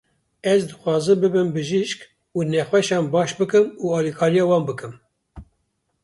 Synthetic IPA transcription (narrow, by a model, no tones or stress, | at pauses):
ɛzd̪ɨxʷwɑːzɨmbɨbɨmbɨʒiʃk | uːnɛxwɛʃɑːnbɑːʃbɨkɨmuːɑːlikʰɑːɾijɑːwɑːnbɨkɨm